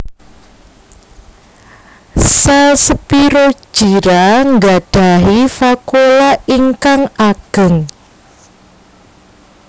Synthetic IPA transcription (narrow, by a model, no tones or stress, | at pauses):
sasəpiɾo̥ʒ̥iɾaŋɡaɖ̥a̤ɦifakolaiŋkaŋaɡ̥ə̤ŋ